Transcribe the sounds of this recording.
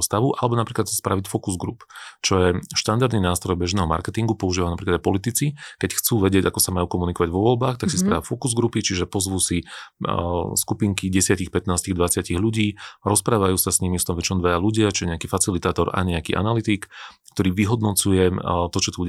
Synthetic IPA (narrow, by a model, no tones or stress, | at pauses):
st̪aʋuʔalɛbɔnapɾiːklat̪sḁspɾaʋicfɔkuzɡɾupt͡ʃɔjɛʃt̪and̪aɾd̪ninaːst̪ɾɔjbɛʒnɛːɦɔma̰ɾkɛt̪iŋɡupɔuʒiːʋanapɾiklad̪aɪpɔlit̪it͡sikɛcxt͡suːʋɛɟɪɛɟakɔsamajuːkɔmunikɔʋaɟʋɔʋɔlbaːxt̪aksispɾaːʋafɔkuzɡɾupit͡ʃiʒɛpɔzʋuːsi | skupiŋkiɟɛsɪacixpɛt̪naːsciɣd̪ʋat͡sɪaciɣʎuɟiːɾɔspɾaːʋajuːsasɲimist̪ɔmʋɛt͡ʃ̪ɔmd̪ʋɛjaluɟɪat͡ʃɔjɛɲɛakiːfat͡silit̪aːt̪ɔɾa̰ɲɛakḭːʔa̰nalit̪ikː | t̪ɔɾiːʋiɦɔd̪nɔt͡sujɛt̪ɔt͡ʃɔt̪ubuɟ